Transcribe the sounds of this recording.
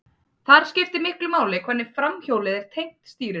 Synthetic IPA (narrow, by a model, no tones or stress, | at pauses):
θaɾ̥scɪft̪ɪmɪhklʏmaːwlɪkʰvɛɾnːɪ̥fɾamçoːwlɪðɛɾ̥t̪ʰejn̥t̪st̪iːɾɪ